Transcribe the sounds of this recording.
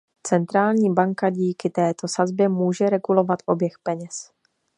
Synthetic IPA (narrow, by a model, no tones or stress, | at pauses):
t͡sɛnt̪ɾaːlɲiːbaŋkaɟiːkɪt̪ɛːt̪o̞sazbjɛmuːʒɛɾɛɡulo̞vat̪ʔo̞bjɛxpɛɲɛs